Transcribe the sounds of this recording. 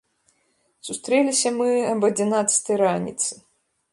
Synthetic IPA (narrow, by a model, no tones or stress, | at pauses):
sust̪ɾɛlʲisʲɐmɨɐbɐd͡zʲinat̪sɨ̥t̪ɐjɾanʲḭt̪sɨ